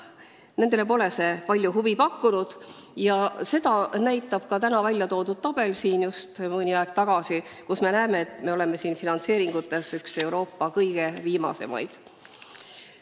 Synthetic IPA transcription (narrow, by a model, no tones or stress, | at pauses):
ne̞nd̪e̞le̞po̞ːle̞se̞pɑlʲjuɦuvipɑkːunud̪̥jɑse̞d̪̥ɑnæjt̪ːˑɑb̥̚kɑt̪ænɑvælʲjɑt̪o̞ːd̪ud̥̪̚t̪ɑb̥e̞lsiːnjust̪mɤnʲiɑeɡ̥̚t̪ɑɡ̥ɑsikusme̞næːme̞et̪ːˑme̞o̞le̞me̞siːnfinɑnt̪se̞ːɾiŋɡ̥ut̪ːˑe̞sykse̞wɾo̞ːpːɑkɤjɡ̥e̞viːmɑ̰se̞̰mɑ̰jd̪̥